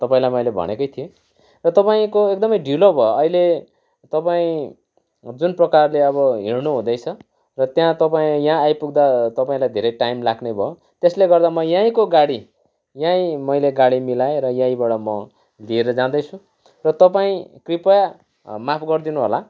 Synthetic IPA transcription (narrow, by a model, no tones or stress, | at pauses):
t̪ʌpãĩlajmʌjlebʱʌ̰nekʌjt̪ʰio | rʌt̪ʌpaĩkoek̚d̪ʌmʌjɖʱilobʱʌoʌile | t̪ʌpaĩ | d͡zunprʌkarleʌβʌɦirnuɦũd̪ʌjt͡sʰʌ | rʌt̪jãt̪ʌpaĩjãːjpuɡ̚d̪at̪ʌpaĩlajd̪ʱeɾʌjʈajmlaɡnʌjbʱʌo | t̪esleɡʌrd̪amʌjãĩkoɡaɽi | jãĩmʌjleɡaɽimilaeɾʌjãĩbaɽʌmʌ | lieɾʌd͡zãd̪ʌjt͡sʰũ | rʌt̪ʌpaĩkripʌja | mapʰɡʌrd̪inuɦola